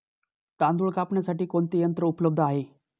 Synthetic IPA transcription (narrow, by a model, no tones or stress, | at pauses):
t̪ãnd̪uɭkapɳjasaʈiːkoɳt̪ejənt̪ɾəupləb̚d̪ʱaɦe